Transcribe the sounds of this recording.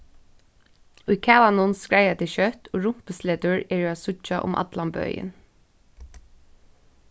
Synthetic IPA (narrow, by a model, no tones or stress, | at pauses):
ʊjkʰæːlanʊnskɹajat̪ɪʃœt̪oːɹʊm̥pəsleːt̪ʊɹɛːɹʊaːsʊt͡ʃaʔʊ̰mʔa̰t̪lambœ̰jɪ̰n